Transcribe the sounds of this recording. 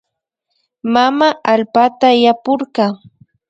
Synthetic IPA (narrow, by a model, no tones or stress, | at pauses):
mamaʔalpat̪ajapʊɾɢɑ